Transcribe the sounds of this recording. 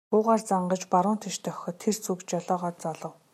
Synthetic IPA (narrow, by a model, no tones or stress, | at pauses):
pʊːʁaːrt͡saɴɢə̆t͡ɕpaɾʊːnt̪ʰeʃt̪ʰœxʲɞ̆t̪ʰːert͡sukt͡ɕjɔɮɔːʁɔːt̪t͡saɮə̆w